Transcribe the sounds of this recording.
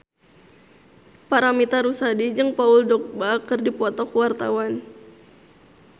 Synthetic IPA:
paɾamit̪aɾusadid͡ʒɨŋpaʊldɔk̚bakərdipɔt̪ɔkwart̪a̰wan

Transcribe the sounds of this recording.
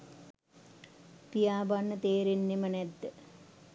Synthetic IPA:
pijaːbanːɨt̪eːɾinːimɐned̪

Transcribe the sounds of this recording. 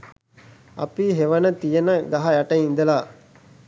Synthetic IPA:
ɐ̰piɦeʋɐnət̪ijenəɡɐɦɐjaʈɐŋind̪əlaː

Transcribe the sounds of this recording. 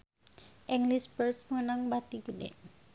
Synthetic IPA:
ʔɛŋlisbərsmənaŋbat̪iɡədḛ

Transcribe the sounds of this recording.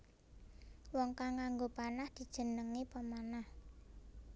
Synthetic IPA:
wɔŋkaŋːaŋɡopanahd̪̥i̤d̥ʒ̥ə̤nəŋipəmanah

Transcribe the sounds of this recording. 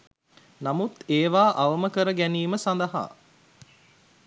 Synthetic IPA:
namut̪eːʋaːʔɐʋəməkəɾəɡæniːməsand̪əɦa̰ː

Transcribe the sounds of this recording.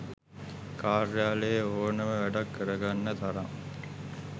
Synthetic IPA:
kaːɾjaːləjəoːnəməʋæɖakːəɾəɡanːət̪aɾaŋ

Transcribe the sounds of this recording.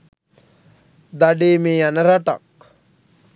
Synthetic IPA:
d̪aɖeːmeːjanəɾaʈa̰k

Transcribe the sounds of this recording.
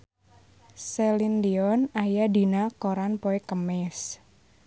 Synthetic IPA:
sɛlind̪iɔnajadi̤nakoɾanpoekəmɪs

